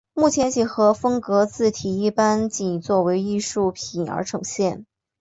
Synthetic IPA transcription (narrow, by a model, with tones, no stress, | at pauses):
mu˥˩t͡ɕʰjɛ˧˥nt͡ɕʰi˨˩xɤ˧˥fɤ˥ŋkɤ˧˥t͡sɹ̩˥˩t̪ʰi˨˩i˥˩pa˥nt͡ɕi˧˩n˩t͡swɔ˥˩we˧˥ɪi˥˧ʂu˥˩pʰi˨˩nə̰˞˧˥ʈ͡ʂʰɤ˨˧˩ŋɕjɛ˥˩n